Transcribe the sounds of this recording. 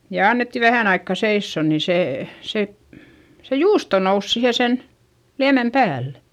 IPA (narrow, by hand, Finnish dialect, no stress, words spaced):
jɑ ɑnːetːi ʋæhæˑn ɑikːɑ seisːoˑ nin̞ seː se se juːsto nous sihe sen liæmem pæːlːe̥